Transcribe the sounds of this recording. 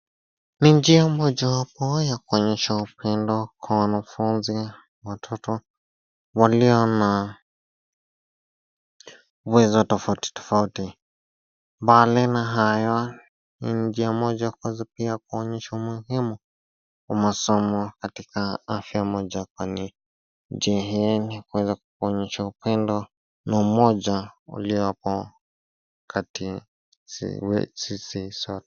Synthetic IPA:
niɲd͡ʒiamɔd͡ʒawapɔjakuɔɲɛʃaupɛndɔkʰwawanafunzi | watʰɔtɔ | waliɔna | uwɛzɔtɔfauti̥tɔ̥fauti | mbalɛnaɦajɔ | nind͡ʒiamɔd͡ʒakɔzapiak̚uɔɲɛʃaumuɦimu | wamasɔmɔkatikaafjamɔd͡ʒakwani | d͡ʒiaɦɛnikuwɛzaku̥kɔɲɛʃaupɛndɔ | naumɔd͡ʒaṵliɔpɔ | kati | sḭwɛ̰sisisɔtɛ̥

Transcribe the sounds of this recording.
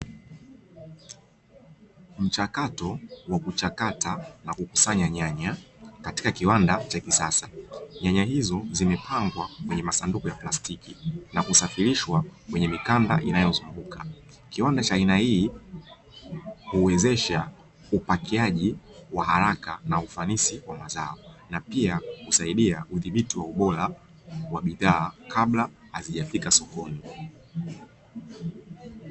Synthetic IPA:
m̩t͡ʃakatɔwakut͡ʃakatanakukusaɲaɲaɲakati̥kakiwandat͡ʃavisasaɲaɲaɦizɔzimɛpʰaŋɡwakwɛɲɛmasandukɔjaplastikinakusafiɾiʃwakwɛɲɛmikanda̰ʔinajɔzuŋɡukʰa | kiwandat͡ʃaːinahiː | huwɛzɛʃa | upakiaʄi | waɦaɾakanaufanisiwamazaɔnapiakusaiɗiauðiɓitiwauɓɔla | waɓiðaːkʰaɓla | haziʄafikasɔkɔni

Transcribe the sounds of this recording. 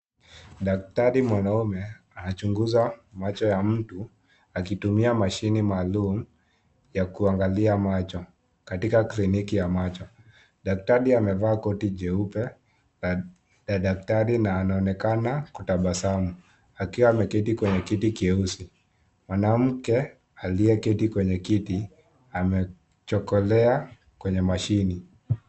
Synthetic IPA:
ɗak̚taɾimwanaumɛ | anat͡ʃuŋɡuzamat͡ʃɔjam̩tu | akitumiamaʃinimaːlum̩ | jakuaŋɡaliamat͡ʃɔ | katikaklinikijamat͡ʃɔ | ɗak̚taɾiamɛvaːkɔtiʄɛupɛ | ɗaɗaktaɾinaːnaɔnɛkanakutaɓasamu | akiwaːmɛkitikwɛɲɛkitikiɛusi | mwanam̩kɛ | aliɛkɛtikwɛɲɛkiti | amɛ | t͡ʃɔkɔlɛa | kwɛɲɛmaʃini

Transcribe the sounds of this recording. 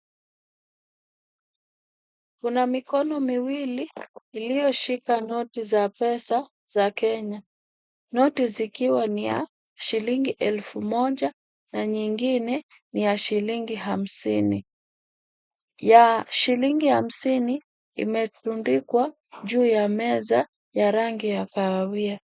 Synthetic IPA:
kunamikɔnɔmiwiliːlijɔʃikanɔtizapɛsa | z̥akɛɲa | nɔtizikiwanija̰ | ʃiliŋɡiʔɛlfumɔʄa | naɲiŋɡinɛ | nijaʃiliŋɡiɦam̩sini | jaʃiliŋɡiham̩sini | ḭmɛtundikwa | ʄuːjamɛza | jaɾaŋɡijakawawia

